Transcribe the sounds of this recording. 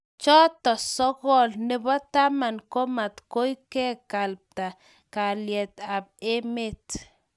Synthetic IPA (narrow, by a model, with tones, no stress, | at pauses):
t͡ʃɔ˦t̪ɔ˨sɔ˦ɣɔ˦lnɪ˦bɔ˦t̪a˦ma˨nko˦ma˨t̪ko˦jkɛ˦ka˨lp̚t̪a˨ | ka˨ljɛ˨t̪a˨b̚e˦me˦t̪